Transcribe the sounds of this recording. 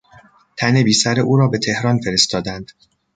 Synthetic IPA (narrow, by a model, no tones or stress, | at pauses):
t̪ʰæne̞biːsæɾeʔuːɾɒːbe̞t̪ʰe̞hɾɒːnfe̞ɾest̪ɒːd̪ænd̪̥